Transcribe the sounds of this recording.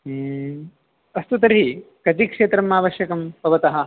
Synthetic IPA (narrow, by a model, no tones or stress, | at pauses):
ɐst̪ut̪ɐɾɦikɐt̪ikʂeːt̪ɾɐmaːʋɐʃjɐkɐmpɐʋɐt̪ɐɦɐ̆